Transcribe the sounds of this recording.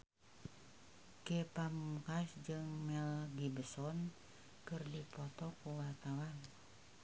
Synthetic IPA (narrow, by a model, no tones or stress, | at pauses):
kepamukasd͡ʒɨŋmɛlɡibəsɔn | kɨrdipɔt̪ɔkuwart̪awan